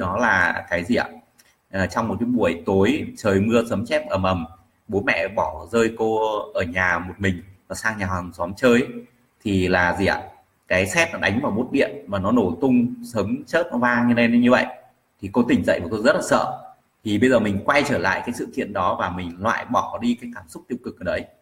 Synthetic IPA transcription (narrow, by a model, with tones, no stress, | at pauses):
ɗɔ˨˦laː˨˩kaː˨˦jzi˨˩a̰˨˩ | ʔːt͡ɕɔ˧wŋ͡mmo˨˩ki˨˦ɓu˧˩əjt̪o˨˦jt͡ɕəː˨˩jmɨ˧əsə˨˦mt͡ɕɛ˦˥p̚ʔəː˧˩mʔə˨˩m | ɓo˨˦mɛ̰˧˨ɓɔ˧˩zəː˧jko˧ʔəː˧˩ɲaː˨˩mo˨˩t̚mï˨˩ŋ̟vaː˨˩saː˧ŋɲaː˨˩ha˨˩ŋswɔ˨˦mt͡ɕəː˧j | t̪ʰi˨˩laː˨˩zi˨˩a̰˨ | kaː˨˦jsɛ˦˥p̚nɔ˨˦ɗa˨˦jŋ̟vaː˨˩wɓo˦˥t̚ɗḭ˧˨ənvaː˨˩nɔ˨˦no˧˩t̪ʊ˧ŋ͡msə˨˦mt͡ɕəː˦˥p̚n˨˦vaː˧ɲɨ˧ne˧n˨˦ɲɨ˧və̰˧˨j | t̪ʰi˨˩ko˧t̪ï˨˩ŋ̟zə̰˧˨jvaː˨˩t̪o˧zə˦˥t̚laː˨˩sə̰ː˧˨ | t̪ʰi˨˩ɓə˧jzəː˨˩mï˨˩ŋ̟kwa˧jt͡ɕəː˧˩la̰ː˧˨jkaː˨˦jsɨ̰˧˨kḭ˧˨ənɗɔ˨˦vaː˨˩mï˨˩ŋ̟lwa̰ː˧˨jɓɔ˧˩ɗi˧kaː˨˦jkaː˧˩msʊ˦˥k͡p̚t̪i˧əw̚kɨ˨˩k̚ʔəː˨˩ɗə˨˦j